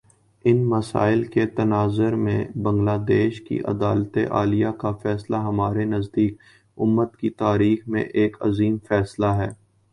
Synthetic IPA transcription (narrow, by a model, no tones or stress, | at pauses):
ɪnmɐsa̰ːɪlket̪ɐnaːzəɾmẽbɐ̃ŋɡlaːd̪eːʃkḭʔɐ̰d̪aːlt̪eʔa̰ːlijakafɛːslaɦɐmaːɾenɐzd̪iːk | ʊmːət̪kit̪aːɾiːxmḛ̃ʔeːkɐ̰ziːmfɛːslaɦɛː